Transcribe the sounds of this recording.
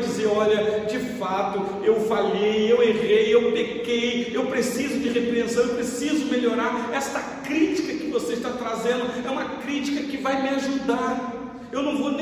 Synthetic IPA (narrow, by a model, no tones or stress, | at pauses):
d͡ʒɪzeɾɔʎɐd͡ʒɪfat̪ʊ | ewfaʎejeweʁejewpekejewpɾesizʊd͡ʒɪʁepɾeẽsɐ̃w̃ewpɾesizʊmeʎoɾaɾɛsɐ | kɾit͡ʃikɐkɪvoseiʃt̪at̪ɾazẽnd̪ʊɛũmɐkɾit͡ʃi̥kɐkɪvajmɪaʒud̪aɾ | ewnɐ̃w̃von